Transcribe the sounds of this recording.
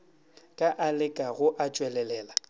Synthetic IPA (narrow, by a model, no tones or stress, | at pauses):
kʼaʔalɪkʼaɣʊʔat͡ʃʼwɛlɛlɛːla